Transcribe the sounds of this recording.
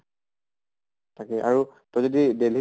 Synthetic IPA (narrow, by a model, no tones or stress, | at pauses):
tʰakɛʔaɹutozodidelɦi